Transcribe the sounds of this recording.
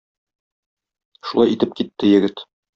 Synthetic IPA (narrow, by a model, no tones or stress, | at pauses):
ʃulˠɑjit̪ɘp̚kit̪ːɘjɘ̆ɡɘt̪